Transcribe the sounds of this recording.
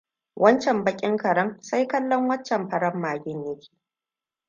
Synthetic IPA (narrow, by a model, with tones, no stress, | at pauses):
wʔɐ˦nt͡ʃɛ˨mbɐ˦kʲʼɪ˦ŋkɐ˨ɽɐ˦ŋsa˦jkɐ˦lːɔ˦ŋwɐ˦nt͡ʃːɛ˨mɸɐ˨ɽɐ˦mːaː˨ɡʲɪ˦ɲjɐ˦kʲʰe̥ː˨